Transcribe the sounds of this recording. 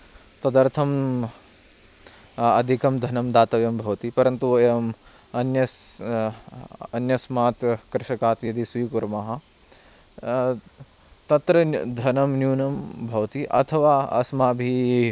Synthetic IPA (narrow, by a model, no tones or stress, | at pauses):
t̪ɐd̪ɐɾt̪ʰɐm | ɐ̰d̪ʱikɐmd̪ʱɐnɐmd̪aːt̪ɐʋjɐmbʱɐʋɐt̪ipɐɾɐnt̪uɐm | ɐnjɐs | ɐnjɐsmaːt̪kɾɪʃɐkaːt̪jɐd̪ʱisʋiːkuɾmɐɦɐ̆ | t̪ɐt̪ɾɐd̪ʱɐnɐmnjuːnɐmbʱɐʋɐt̪iʔɐ̰t̪ʰɐʋaːɐ̰smaːbʱi